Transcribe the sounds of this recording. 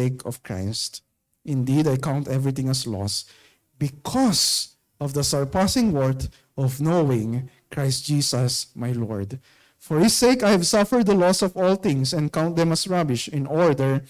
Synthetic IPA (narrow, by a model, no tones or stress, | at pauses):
eɪkʰɔv̥kɹa̰ɪst̪ | ʔɪ̃nd̪id̪ajkãw̃nt̪ɛvɹɪt̪ɪ̃ŋɐslɔ̰s | bɪkʰɔs | ʔɔvd̪ɐsɛɹpasɪ̃ŋwɔɹt̪ | ʔɔvnowɪ̃ŋ | kɹajst̚d͡ʒ̥isɐsmajlɔ̰ɹd̪ | fɔɹhɪseɪkajhɛvsafɛɹd̪̚ðɐlɔsɔvɔlθɪ̃ŋsɛ̃n̚kãw̃nt̪̚d̪ɛ̃mɐsɹabɪʃɪ̃nʔɔɹd̪ɛɹ